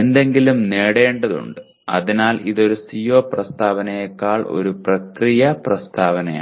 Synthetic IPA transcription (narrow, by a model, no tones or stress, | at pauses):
end̪e̞ŋɡilumneːɽe̞ːɳɖɐðṵɳɖɨ | ɐ̰ðinaːliðo̞ɾusijoːprɐst̪ʰaːʋɐnɐjekːaːɭʔo̞̰ɾuprɐkrijɐprɐst̪ʰaːʋɐnɐja̰ː